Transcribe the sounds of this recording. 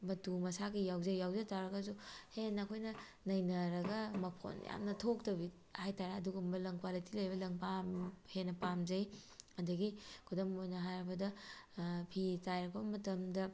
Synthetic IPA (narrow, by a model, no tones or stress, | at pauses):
mɐtumɐsaɡijawzɐjjawzejtaɾɐɡɐzuhenɐkʰojnɐ | nɐjnɐɾɐɡɐmɐpʰo̰nja̰mnɐtʰok̚tɐbi | hajtaɾaɐduɡumbɐlɐŋkwalitilɐjbɐlɐŋpamhenːɐpamzɐjɐdɐɡikʰudɐmojnɐɦajɾɐbɐdɐ | pʰitajɾɐkʰbɐmɐtɐmdɐ